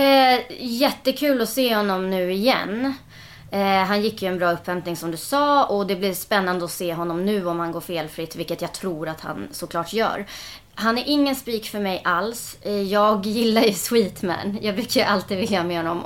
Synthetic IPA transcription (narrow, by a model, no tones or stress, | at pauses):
jɛt̪ːəkʰʉ̟ːlɔseːhɔnːɔmnʉ̟ːɪjɛ̰nː | ɦanjɪkːjɵɛnbɾɑːɵpːhɛmp̪nɪŋsɔmd̪ɵsɑːɔd̪ɛblɪɾspɛnːand̪əɔseːɦɔnːɔmnʉ̟ːɔmhanɡoːɾfeːlfɾɪt̪ːvɪlkːət̪jaːɡt̪ʰɾuːɾat̪ha̰nsɔkʰlɑːʈjœ̰ːɾ | ɦanæɾʔɪŋːənspiːkfœɾmɛjʔalsjɑːɡjɪlːaɾjɵswiːt̪mæ̰njɑːɡbʉkʰːəʔalt̪iːd̪vɪljamɛɦɔnːɔ̰m